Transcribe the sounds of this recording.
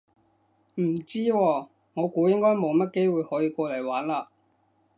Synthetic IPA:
m̩˨˩t͡siː˥wɔː˧ | ŋɔː˨˧kuː˨˥jɪ˥ŋkɔː˥jmo˨˧wmɐ˥t̚ke˥jwuː˨˧jhɔː˨˥jiː˧kʷɔː˧lɐ˨˩jwaː˨˥nlaː˧

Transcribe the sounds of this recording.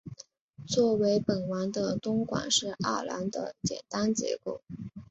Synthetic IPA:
t͡swɔ˥˩we˧˥ɪpə˨˩nwa˧˥nd̪ə˧t̪ʊ˥ŋkwa̰˨˩nʂɻ̩˥˧ʔa̰˥˩la̰˧˥nd̪ə̰˧t͡ɕjɛ̰˨˩nt̪a˥nt͡ɕjɛ̰˧˥ko˥˩ʊ

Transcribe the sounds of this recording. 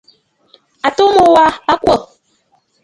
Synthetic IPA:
a˨to˦mo˦˨wa˦a˦kwə˦˨

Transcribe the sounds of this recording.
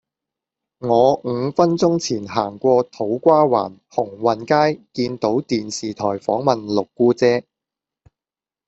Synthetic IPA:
ŋɔː˨˧ŋ̩˨˧fɐ˥nt͡sʊ˥ŋt͡sʰiː˨˩nɦaː˨˩ŋkʷɔː˧t̪ʰo˨˥wkʷaː˥wa̰ː˨˩nhʊ˨˩ŋwɐ˨˩nkaː˥jkiː˧nt̪o˨˥wt̪iː˨nsiː˨t̪ʰɔː˨˩jfɔː˨˥ŋmɐ˨nlʊ˨kːuː˥t͡sɛː˥

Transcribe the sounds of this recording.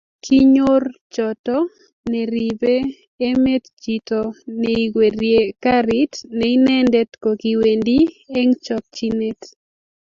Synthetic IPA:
kʰi˦ɲo˦rt͡ʃɔ˨tɔ | nɛ˨ɾibeː˦ | me˦td͡ʒi˨tɔ˨nɛi˨ɡwe˨ɾje˨kaɾitnɛinɛ˦ndɛ˦tko˨ki˨we˨ndi˦ | e˦ŋt͡ʃɔk̚t͡ʃi˦ne˦t

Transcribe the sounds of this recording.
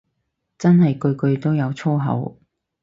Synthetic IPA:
t͡sɐ˥nɦɐ˨jkɵ˧ɥkɵ˧ɥt̪o˥wjɐ˨˧wt͡sʰo˥ɦɐ̰˨˥w

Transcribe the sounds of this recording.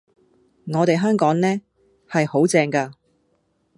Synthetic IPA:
ŋɔː˨˧t̪e˨jɦœː˥ŋkɔː˨˥ŋnɛː˥ | hɐ˨jho˨˥wt͡sɛː˧ŋkaː˧

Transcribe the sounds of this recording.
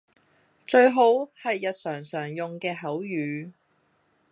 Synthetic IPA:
t͡ʃɵ˧ɥɦo˨˥whɐ˨jːɐ˨t̚sœː˨˩ŋsœː˨˩ŋjʊ˨ŋkɛː˧ɦɐ˨˥wjyː˨˧

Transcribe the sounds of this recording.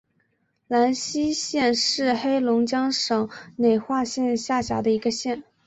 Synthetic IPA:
la˧˥nɕi˥ɕjɛ˥˧nʂɻ̩˥˩xe˥ɪlʊ˧˥ŋt͡ɕjɑ˥ŋʂɤ˨˩ŋne˨˩ɪxwa˥˧ɕjɛ˥˧nɕja˥˩ɕja̰˧˥d̪ə˧i˧˥ɡə˧ɕjɛ˥˩n

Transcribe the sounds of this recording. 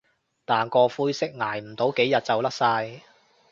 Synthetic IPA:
t̪aː˨nkɔː˧fuː˧˥jsɪ˥k̚ŋaː˨˩jm̩˨˩t̪o˨˥wke˨˥jɐ˨t̚t͡sɐ˨wlɐ˥k̚saː˧j

